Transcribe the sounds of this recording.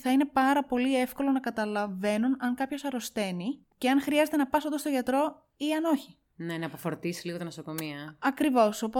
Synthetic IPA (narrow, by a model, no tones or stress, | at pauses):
θɐine̞pɐɾɐpo̞liefko̞lo̞nɐkɐt̪ɐlɐve̞nunɐŋkɐpço̞sɐɾo̞st̪e̞ni | ce̞ɐnxɾiɐze̞t̪e̞nɐpɐsonost̪o̞ʝɐt̪ɾo̞ | iɐno̞çi | ne̞nɐpofo̞ɾt̪isi̥liɣot̪inoso̞ko̞miɐɐkɾivo̞so̞po